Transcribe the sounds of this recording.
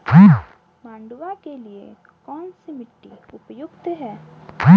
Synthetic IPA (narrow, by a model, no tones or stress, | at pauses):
mãːɳɖwakeliḛ | kɔːnsimɪʈːi | ʊpjʊɡt̪ɦɛː